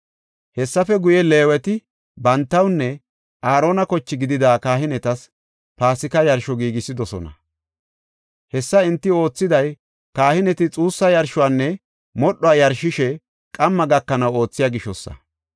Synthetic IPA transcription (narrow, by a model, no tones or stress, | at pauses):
hɛsːɐfɛɡʊjɛle̞ːwɛt̪ɪ | bɐnt̪ːɐwnːɛ | ʔaːɾo̞ːnɐkɔt͡ʃːɪɡɪd̪ɪd̪aːkaːhɪnɛt̪ɐs | paːsɪkɐjɐɾʃɔɡiːɡɪsɪd̪ɔsɔ̰nɐ̰ | hɛsːɐɪnt̪ːɪo̞ːt͡sːɪd̪ɐj | kaːhɪnɛt̪ɪt͡sʼuːsːɐjɐɾʃʊwanːɛ | mɔɗːɔaːjɐɾʃɪʃɛ | kʼɐmːɐɡɐkːɐnɐwo̞ːt͡sːɪjaːɡɪʃɔsːɐ̰